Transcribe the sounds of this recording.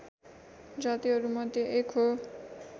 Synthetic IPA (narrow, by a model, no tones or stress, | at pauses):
d͡zat̪ioɾumʌd̪eʔekʰo